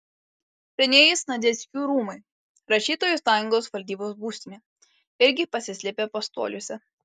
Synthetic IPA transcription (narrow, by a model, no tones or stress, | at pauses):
pʲɛnʲeːjɪsnɐd̪ʲɛsʲkʲuːɾuːmɐɪ | ɾɐʃʲiːt̪oːjuˑsɑːjʊŋɡoːsʋɐlʲd̪ʲiːboːs̬buːsʲt̪ʲimʲeː | ɪɾʲɡʲɪpɐsʲɪsʲlʲeːpʲeːpɐst̪o̰ːlʲuːsʲɛ